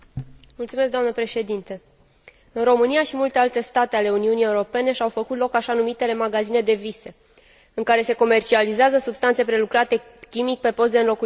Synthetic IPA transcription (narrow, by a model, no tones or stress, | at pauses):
mult̪sumeskd̪oamnəpɾe̞ʃe̞d̪int̪ə | ɨnro̞mɨnijaʃimult̪e̞alt̪e̞st̪at̪e̞ale̞uniunije̞uɾo̞pe̞ne̞ʃawfəkut̪lo̞kaʃanumit̪e̞le̞maɡazine̞d̪e̞vise | ɨŋkaɾe̞se̞ko̞me̞rt͡ʃializeazəsubst̪ant̪se̞pɾe̞lukɾat̪e̞ | kʲimik̚ʲpe̞po̞st̪d̪eɨnlo̞ku